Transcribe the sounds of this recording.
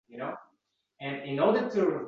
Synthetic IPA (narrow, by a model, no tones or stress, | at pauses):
jɨnoʊ | ɨ̃nɪ̃nɔɹdətʰɨɹɪ